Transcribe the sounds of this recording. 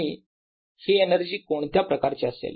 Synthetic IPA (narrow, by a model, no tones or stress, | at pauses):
iː | heenəɾd͡ʑiːkoɳt̪japɾəkaɾt͡ɕeəsḛl